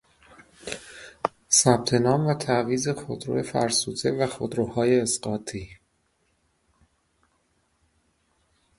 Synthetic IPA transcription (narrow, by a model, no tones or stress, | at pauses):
sæb̥̚t̪ʰe̞nɒːmvæt̪ʰæʔviːze̞xod̪ɾo̰jefæ̰ɾsuːt̪ʰe̞væxod̪ɾohɒːje̞ːsɢ̥ɒːt̪ʰiː